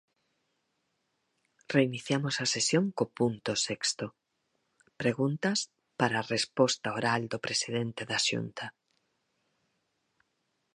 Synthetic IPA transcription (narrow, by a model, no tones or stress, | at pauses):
reiniθjamosɐsesjoŋkopunt̪ʊsekst̪o | pɾeɣunt̪ɐs | paɾaːrespɔst̪aoɾald̪opɾesiðent̪eðaʃṵnt̪a